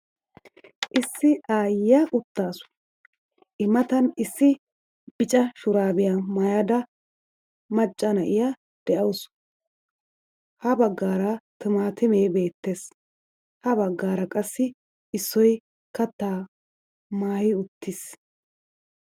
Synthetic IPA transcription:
ʔɪsːɪʔaːjːɐʔʊt̪ːaːsʊ̥ | ʔɪmɐt̪ɐnɪsːɪ | b̥ɪt͡ʃʼɐʃʊɾaːbɪjamɐjɐd̪ɐ | mɐt͡ʃʼːɐnɐʔɪja | d̪̥ɛʔɐwʊs | hɐbɐɡːaːɾɐt̪ʊmaːt̪ɪmeːbe̞ːt̪ːeːs | hɐbɐɡːaːɾɐkʼɐsːɪ | ɪsːɔj | kɐt̪ːaː | maːhɪʊt̪ːɪs

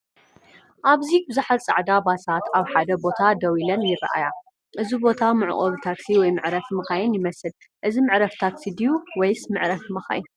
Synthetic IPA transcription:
ʔaβzibɨzaħalt͡sʼa̰ʕd̪abasat̪ʰaβħad̪ɐbo̞t̪ʰad̪ɐwilɐnjɪrɐ̰ʔa̰ja | ʔɨzibo̞t̪ʰamɨʕ̰ʔʼɐβt̪ʰaksiwɔjmɨʕɾɐfmɨxajɪnjɪmɐsɨl | ʔɨzimɨʕɾɐft̪ʰaksid̪ijuwɔjsmɨʕɾɐfmɐxa̰jin

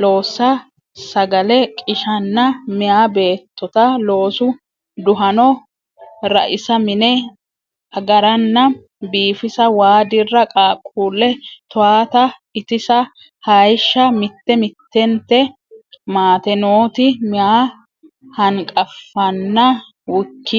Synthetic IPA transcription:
lo̞ːsɐ | sɐɡɐlɛkʼɪʃɐnːɐmɪjaːbe̞ːt̪ːɔt̪ɐlo̞ːsʊ | d̪ʊɦɐnɔ | ɾɐ̰ʔɪsɐmɪnɛ | ɐɡɐɾɐnːɐ | biːfɪsɐwaːd̪ɪrːɐkʼaːkʼːuːlːɛt̪ʊaːt̪ɐɪt̪ɪsɐ | hɐjʃːɐmɪt̪ːɛmɪt̪ːɛnt̪ːɛ | maːt̪ɛnoːt̪ɪmɪjaː | hɐŋkʼɐfːɐnːɐ | wʊkːɪ

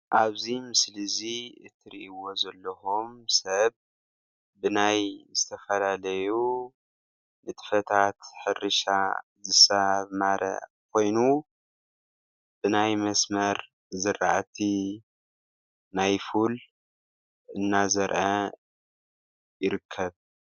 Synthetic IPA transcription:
ʔaβzimɨslɨziɨt̪ʰːɨɾiʔiwo̞zɐlːɐhomsɐβː | ɨnajzɨt̪ʰɐfɐlalɐju | nɨt̪ʰɨ̥fɐt̪ʰat̪ħɨrɨʃa̰zɨsɐβmaɾʔɐ̰ | kʰo̞jnu | b̥ɨnajmɐsmɐɾ | zɨra̰ʔt̪ʰi | najful | ɨnːazɐɾʔɐ | jɪɾɨkʰːɐβ

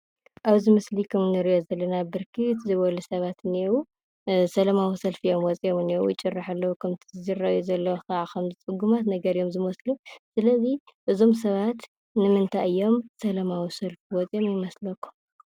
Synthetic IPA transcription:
ʔaβzimɨslikʰɐmnɨɾiʔozɐlːɐnabɨɾkʰɨt̪ʰzɨβɐlusɐβat̪ɨnewu | sɐlɐmawisɐlfijo̞mwɔt͡sʼijomɨnewṵjɪt͡ʃʼɨrːaħalːɐwukʰɐmt̪ʰizɨzirɐjuzɐlːɐwkʰɐʕakʰɐmzɨt͡sʼɨɡumat̪nɐɡɐɾijo̞mzɨmɐslusɨlɐziʔɨzo̞ms̬ɐβat̪ | nɨmɨnt̪ʰaʔɨjːo̞msɐlɐmawisɐlfiwɔt͡sʼijo̞mjɪmɐslɐkʰːu̥m

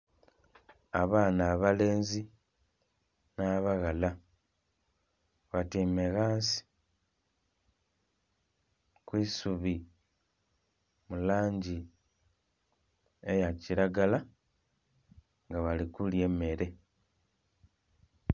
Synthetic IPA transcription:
aβaːnaːβale̞ːnzi | naːβaɣala | βatime̞ɣaːsi̥ | kwiːsuβi | mulaːɲɟi | ejaciɾaɡala | ŋɡaβalikulje̞me̞ɾe̞

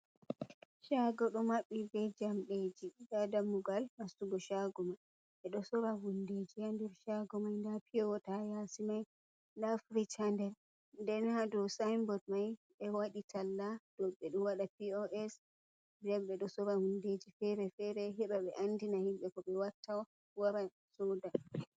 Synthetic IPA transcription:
ʃaɡɔɗɔmaɓːibɛd͡ʒamɗed͡ʒidadamuɡalmastuɡɔʃaɡɔmaj | ɓɛɗɔsɔɾavunded͡ʒihandɛɾʃaɡɔmajndapiɔɔtajasimaj | nafɾit͡ʃandɛɾ | ndɛnhadɔsajmbɔd̚maj | ɓɛwaɗitʰalːad̥ɔɓɛɗɔwaɗapiɔʔɛs | dɛmɓɛɗɔsɔɾahunded͡ʒifɛɾɛfɛɾɛɦɛɓaɓɛʔandinahimɓɛkɔɓɛwatːawa | waɾa | sɔda

